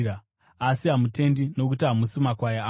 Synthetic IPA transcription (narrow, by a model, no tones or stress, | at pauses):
a | asiɦamute̞ndino̞kutɦamusimakwajaa